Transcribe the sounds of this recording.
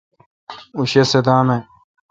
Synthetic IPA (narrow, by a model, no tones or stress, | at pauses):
uɕesed̪aːme